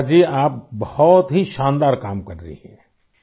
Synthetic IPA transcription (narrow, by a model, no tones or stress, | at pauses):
d͡ʒiːaːp̚bɐhɔt̪ɦiʃãːnd̪aːɾkaːmkɐɾə̰ɦḭɦɛ̃